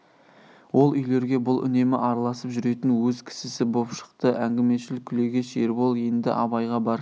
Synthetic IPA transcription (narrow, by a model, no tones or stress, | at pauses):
wo̞lˠʏjle̞ɾɡʲe̞bʊlˠʔʏ̰ne̞mɪʔɑɾɑlˠɑsəpʒʏɾe̞t̪ɪnwɵzkʲʰɪ̥sɪsɪbo̞pʃə̥qt̪əʔæŋɡʲɪme̞ʃɪlɪkʲʰːʏle̞ɡʲe̞ʃeɾbolˠje̞nd̪ɪ̰ʔɑbɑjʁɑbɑɾ